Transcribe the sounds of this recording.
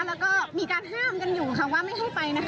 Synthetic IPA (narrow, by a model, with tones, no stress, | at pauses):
lɛː˦˥wkɔː˥˩miː˧kaː˧nɦaː˥˩mka˧njuː˨˩kʰa˧˩ŋwaː˥˩ma˥˩jɦa˥˩jjpa˧jna˦˥